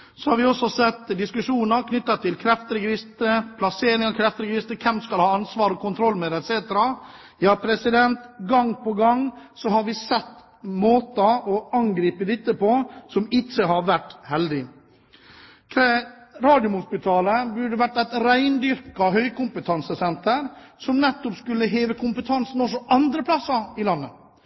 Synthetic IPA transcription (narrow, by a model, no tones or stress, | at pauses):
sɔhɑɾʋɪɔsɔsɛt̪ːd̪ɪskʉʂuːnəɾkʰnʏt̪ːɑt̪ʰːɪlkʰɾɛft̪əɾəɡɾɪst̪əpʰlɑseːɾɪŋɑkʰɾɛft̪əɾɡɾɪst̪əkʰɛmskɑlhɑːɑnsʋɑːɾɔkʊnt̪ʰɾɔlːmɛd̪ɛt̪seːt̪əɾɑ | jɑːpʰɾɛsɪd̪ɛnt̪ɡɑŋpɔɡɑŋ | sɔhɑɾʋɪsɛt̪ː | moːt̪ɑɔɑŋɡɾiːpəd̪ɪt̪ːəpɔsɔmɪt͡ʃːəhɑɾʋæʈhɛld̪ɪ | t̪ʰɾeɾɑːd̪jʊmhʊspɪt̪ʰɑːləbʉɖəʋæʈːæɪt̪ɾæɪnd̪ʏɾkɑɦœʏkʊmpət̪ʰɑnsəsɛnt̪əɾsɔmnɛt̪ːɔpskʉlːəɦeːʋəkʰʊmpət̪ʰɑnsn̩ɔsɔʔɑnd̪ɾəplɑsːɑɪlɑnːə